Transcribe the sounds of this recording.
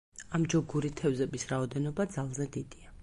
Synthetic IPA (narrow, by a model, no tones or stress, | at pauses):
amd͡ʒɔɡuɾit̪ʰɛvzɛbisɾaɔd̪ɛnɔbad̪zalˠzɛd̪id̪̥ia